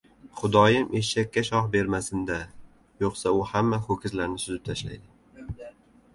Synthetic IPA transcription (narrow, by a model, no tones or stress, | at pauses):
χʊd̪ɒjɪmʔeʃakʲːaʃɒhbe̞ɾmasɪnd̪a | joqsaʊhamːahokʲʰɪzlaɾnɪsʊzɪp̚t̪ʰaʃla̰jd̪ɪ